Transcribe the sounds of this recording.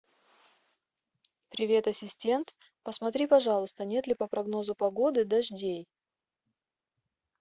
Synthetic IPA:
pɾʲɪvʲe̞t̪ɐsʲɪsʲtʲe̞nt̪ | pəsmɐt̪ɾʲipɐʐɑlˠʊst̪ənʲe̞t̪lʲɪpəpɾɐɡno̞zʊpɐɡo̞d̪ɨd̪ɐʐdʲej

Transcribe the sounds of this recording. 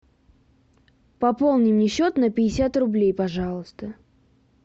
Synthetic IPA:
pɐpo̞lˠnʲɪmnʲɪɕːo̞t̪nəpʲɪɪsʲat̪rʊblʲejpɐʐɑlˠəst̪ə

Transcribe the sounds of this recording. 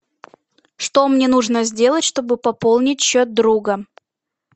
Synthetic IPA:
ʂt̪o̞mnʲenuʐnəzʲdʲe̞lˠətʲʂt̪o̞bɨpɐpolˠnʲɪtʲɕːot̪̚d̪ɾuɡə

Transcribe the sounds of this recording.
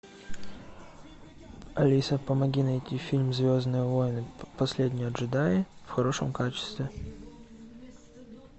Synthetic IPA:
ɐlʲisəpəmɐɡʲinɐjtʲːifʲilʲmzvʲoznɨjəvojnɨpɐsʲlʲedʲnʲɪɐʐɨd̪ajɪfxɐɾo̞ʂə̰mkat͡ɕɪ̥st̪vʲɪ

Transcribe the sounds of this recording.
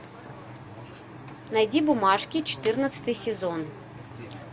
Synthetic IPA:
nɐjdʲibʊmɑʂkʲit͡ʃɔ̥t̪ɪrnɐsʲɐ̥t̪ɨjsʲezɔn

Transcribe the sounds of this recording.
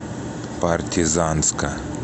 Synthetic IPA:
part̪ʲʰizanska

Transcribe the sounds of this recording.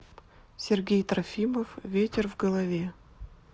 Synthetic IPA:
sʲɪrɡʲejt̪ɾɐfʲiməfvʲetʲɪrvɡəlˠɐvʲe

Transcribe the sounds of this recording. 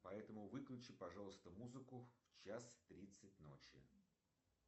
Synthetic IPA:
pɐɛt̪əmʊvɨklʲʉt͡ɕɪpɐʐalˠəst̪əmuzɨkʊft͡ɕast̪ɾʲit̪sɨt̚ʲno̰t͡ɕɪ̰

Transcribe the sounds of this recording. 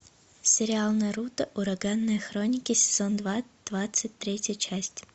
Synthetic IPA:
sʲɪɾʲɪalˠnəjəɾut̪əʔʊɾɐɡanːəjəxɾonʲɪkʲɪsʲɪ̥z̥ond̪vad̪̥vat̪sɨt̚ʲt̪ɾʲetʲjət͡ɕæsʲtʲ

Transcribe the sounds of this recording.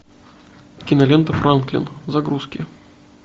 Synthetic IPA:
kʲɪnɐlʲent̪əfɾʔanklʲɪ̰nzɐɡɾuskʲɪ̰

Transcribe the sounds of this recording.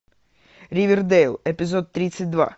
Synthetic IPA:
ɾʲiʋʲird̪ɛjlˠɛpʲizɔt̪ːɾʲit̪sʲɐt̚ʲd̪ʋa̰

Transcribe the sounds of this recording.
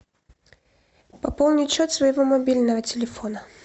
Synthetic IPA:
pɐpolˠnʲɪt͡ɕːot̪svəjɪvomɐbʲilʲnəvətʲɪlʲɪfonə

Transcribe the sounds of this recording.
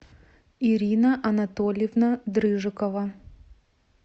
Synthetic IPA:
iɾʲinɐʔɐnɐt̪olʲjɪvnɐd̪ɾɨʐɨkəvɐ

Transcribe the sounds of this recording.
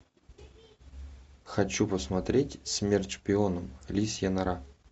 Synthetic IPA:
xɐt͡ɕupəsmɐt̪ɾʲetʲsʲmʲert̪ʂpʲɪonəmlʲisʲjənɐɾa

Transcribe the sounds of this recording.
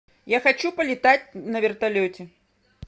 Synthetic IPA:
jaxat͡ʃupɐlʲɪt̪at͡sʲnɐvʲɪrt̪alʲɔt͡sʲɛ

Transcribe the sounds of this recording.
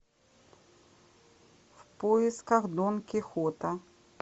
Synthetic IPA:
fpojɪskɐɣd̪onkʲɪxot̪ɐ

